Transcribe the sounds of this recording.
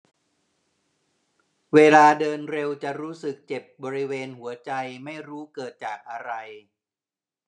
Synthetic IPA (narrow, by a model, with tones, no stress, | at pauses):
weː˧laː˧dɤː˧nɾe˧wt͡ɕa˨˩ɾuː˦˥sɯ˨˩k̚t͡ɕe˨˩p̚bɔː˧ɾi˦˥weː˧nhu˩˦ɐt͡ɕa˧jma˥˩jɾuː˦˥kɤː˨˩t̪̚t͡ɕaː˨˩k̚ʔa˧ɾa˧j